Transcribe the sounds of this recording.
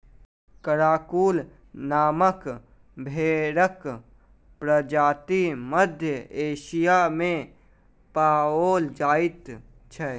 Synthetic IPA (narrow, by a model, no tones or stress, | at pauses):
kəɾaːkuːl | naːmək | bʱeːɾək | pɾəd͡ʒaːt̪iməd̪ʱjəeːʃijamẽ | paːoːld͡ʒaːit̪ | t͡ʃʰɛ